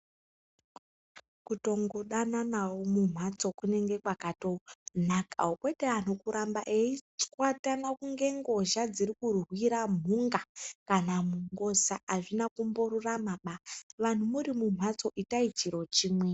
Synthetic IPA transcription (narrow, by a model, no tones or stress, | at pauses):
kuto̞ŋɡoɗananawomum̤wat͡so̞kune̞ŋɡe̞kwakato̞n̤aka̰okwe̞teanokuɾʔambaʔeit͡skwatanakuŋɡe̞ŋɡo̞ʒad͡zirikurwiɾam̤uŋɡakanamuŋɡo̞saʔaʐinakumboɾuramaɓaʋan̤umuɾimum̤wat͡so̞ʔitait͡ʃiɾo̞t͡ʃiːmwe